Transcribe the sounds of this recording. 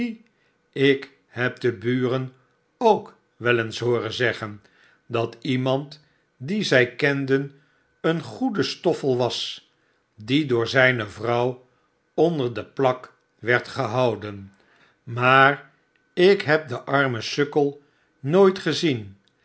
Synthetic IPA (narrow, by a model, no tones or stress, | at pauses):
ɪk | ɦɛp̚dəbyːrən | owk | ʋɛlənsɦʊːrənzɛχən | dɑtimɑnt | dizɛjkɛndən | ənχudəstɔfəlˠʋɑs | didʊːɹzɛjnəvrɑw | ɔndəɹdəplɑk | ʋɛɹtχəɦɑwdən | maːr | ɪkɦɛp̚dəʔɑɹməsɵkəlˠ | nojtχəzin